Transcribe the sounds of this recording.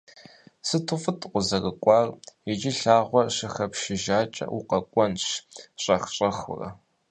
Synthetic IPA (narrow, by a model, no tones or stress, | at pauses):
sɨtʰʊfʼɨtʰʼqʷʊzɐrɨkʷʼɑːrɪd͡ʒɪɬaːʁʷɔɕɪxɐpʃɪʒaːt͡ʃʼɐ̰ʔuqɐkʷʼɔnɕɕʼɐxɕʼɐxʊ̰rɐ̰